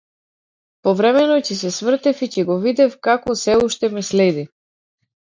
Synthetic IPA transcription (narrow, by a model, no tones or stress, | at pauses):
pɔvɾɛmɛnɔcɛsɛsvr̩t̪ɛficɛɡɔvid̪ɛfkakɔsɛuʃt̪ɛmɛslɛd̪i